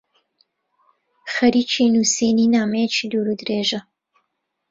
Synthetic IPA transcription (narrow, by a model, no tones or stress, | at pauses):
xɐɾiːt͡ʃinuːseːniːnaːmejt͡ʃʰiːd̪uːɾud̪ɾeːʒɐ